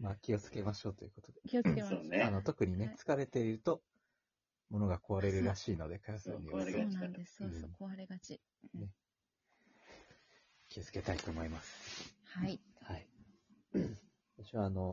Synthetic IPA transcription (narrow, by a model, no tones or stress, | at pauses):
makʲio̞t͡sɨ̥ke̞maɕo̞ːt̪ojɯ̟ko̞t̪od̪eiooaːno̞t̪o̞kɯ̟ɲ̟ine̞t͡sɨ̥kaɾe̞t̪e̞iɾɯ̟t̪o̞ | mo̞no̞ɡako̞βaɾe̞ɾɯ̟ɾaɕiːno̞d̪e̞kajasɨɲʲinanesoaɾeɡat͡ɕi | ne | kʲʰiot͡sɨ̥ke̞t̪ait̪o̞ːmo̞imasɨ̥haihai | t̪aɕoβaːno̞